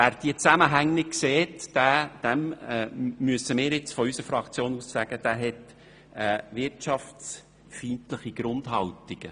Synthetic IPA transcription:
ʋæːɾd̥iːət͡sæməɦæŋnɪkseːtd̥æːd̥ɛm | myəsəmɪːɾjɪt͡sfɔysəɾfɾɑkt͡sjoːnussæɡ̥əd̥æːɦɛt̪ | ɛːʋɪɾtʃɑfs | fintləχiɡ̥ɾʊnd̥̪ɦɑltiɡ̥ə

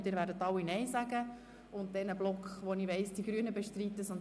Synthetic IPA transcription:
d̥ɪːɾvʋæːɾdətɑwinɛɪzæɡə | ʊnt̚dɛnəblɔkχʋoniʋɛɪsd̥iɡ̥ɾyːənəbeʃtɾitːəsʊnt

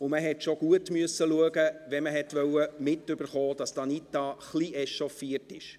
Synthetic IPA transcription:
ʊməɦɛtʃoɡ̥uətməsːəluəɡəʋɛməɦɛtʋœwəmɪtʏb̥əɾχoːd̥ɑstɑnitɑχliʔɛʃɔfiətɪʃ

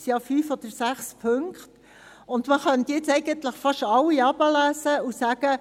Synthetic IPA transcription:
sjɑːfyːfɔd̥əɾsæχspʰøŋkχt | ʊnd̪məχœnt̪jɛt͡sɛɪɡənt̪ləχfɑʃɑlːiɑbəlæːsəusæːɡ̥ə

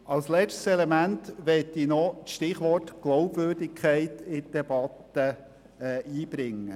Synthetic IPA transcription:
ɑlslɛt͡ʃtsɛlemæntʋɛtːinɔt͡sʃtɪχʋɔɾtɡ̥loʊbvøːɾdɪkʰæɪtɪd̥ɛb̥ɑt̪ə | ʔiːb̥ɾɪŋːə

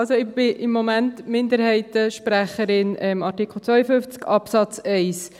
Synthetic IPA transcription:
ɑlsoɪb̥ɪʔɪmːomæntmɪnd̪əɾhɛɪtəʃpɾæχəɾɪnɛmɑɾtikʰl̩ˠt͡sʋœʏjəfʏnft͡skɑpsɑt͡sɛɪs

